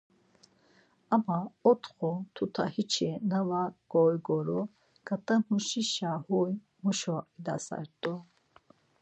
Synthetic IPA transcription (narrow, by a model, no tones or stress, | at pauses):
amaɔt̪ʰqɔt̪ʰut̪ʰa̰hit͡ʃʰinavaɡ̥ɔjɡɔɾɔ | ɡ̥at̪ʼamuʃiʃahuj | muʃɔid̪a̰sa̰ɾt̪ʼɔ